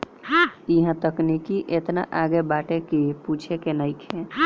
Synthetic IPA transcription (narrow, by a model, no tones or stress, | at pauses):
ɦãiɦãt̪əknikiʔet̪na̰ʔaɡebaʈekiput͡ʃʰekenəjkʰeã